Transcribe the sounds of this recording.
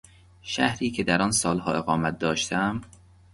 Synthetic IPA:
ʃæhɾiːcʰed̪æɾɒːnsɒːlhɒːe̞ɣɒːmæt̪̚d̪ɒːʃt̪ʰæm

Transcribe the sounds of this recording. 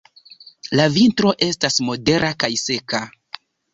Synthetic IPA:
lavintɾo̞ʔe̞stasmo̞de̞ɾʔakajse̞ka

